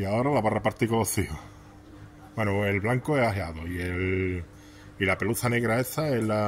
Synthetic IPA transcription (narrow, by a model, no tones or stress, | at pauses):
iaoɾalaβarapaɾt̪ikooθio | bwenuelβlaŋkoeaɦeaðoiel | ilapeluθane̞ɣɾaesaela